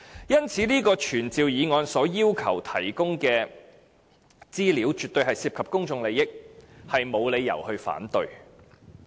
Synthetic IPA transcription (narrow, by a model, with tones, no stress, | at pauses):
jɐ˥nt͡sʰiː˨˥liː˥kɔː˧t͡ʃʰyː˨˩nt͡siː˨˧wjiː˨˧ŋɔː˨˧nsɔː˨˥jiː˥wkʰɐ̰˨˩wt̪ʰɐ˨˩jkʊ˥ŋkɛː˧ | t͡siː˥liː˨˥wt͡ʃyː˨t̚t̪ɵ˧ɥɦɐ˨jsiː˧pkʰɐ˨p̚kʊ˥ŋt͡sʊ˧ŋle˨˧jɪ˥k̚hɐ˨jmo˨˧wle˨˧jːɐ̰˨˩whɵ˧ɥfa̰ː˨˥nt̪ɵ˨ɥ